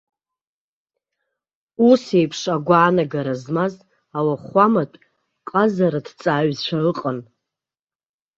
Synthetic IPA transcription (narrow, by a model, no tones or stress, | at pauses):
usejpʰʂaɡʷaːnaɡaɾazmaz | awaχʷamatʼ | qʼazaɾadt͡sʼaːɥzt͡ʃʷʰaɨqʼən